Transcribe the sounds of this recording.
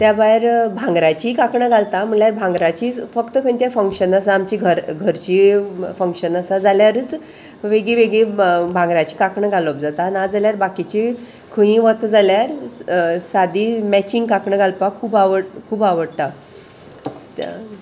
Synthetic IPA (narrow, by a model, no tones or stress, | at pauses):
t̪jabajɾbʱãŋɡɾat͡ɕikakɳəɡʱalt̪am̤əljaɾbʱãŋɡɾat͡ɕiːfəkt̪əkʰəñt̪jafəŋkʂənəsaːmt͡ɕiɡʱəɾɡʱəɾt͡ɕiːfəŋkʂənəsad͡zaljaɾət͡s | ʋeɡɭiʋeɡɭibʱãŋɡɾat͡ɕiːkakɳəɡʱalop̚d͡zat̪anad͡zaljaɾbakit͡ɕi | kʰə̃ĩʋət̪d͡zaljaɾ | sad̪imɛt͡ɕĩŋɡkakɳəɡʱalpakʰuːbaʋəɽkʰuːbaʋəɽt̪a